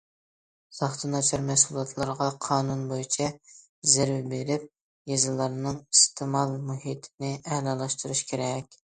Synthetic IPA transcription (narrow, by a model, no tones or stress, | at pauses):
z̥ɑχt̪ʰɨnɑt͡ʃʰɑɾmɛsulˠɑt̪ʰlˠɑɾʁɑqʰɑːnunbojit͡ʃʰɛ | zɪɾwbeɾɪp̚ | jezɨlˠɑɾnɨŋist̪ʰɨmɑlˠmuhit̪ʰɪnɪʔɛhlɑlˠɑʃt̪uɾuʃkʲʰeɾɛkʲ